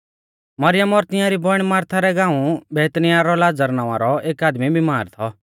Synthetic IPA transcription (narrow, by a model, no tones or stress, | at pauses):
mɐɾɪjəmɔɾt̪ɪjaɾibɔɽ̃maːɾt̪ʰaɾɛɡãːũbɛːt̪nijaɾɔlaːd͡zəɾnãːʋã̰ɾɔeːkaːd̪mibʱimaːɾt̪ʰɔ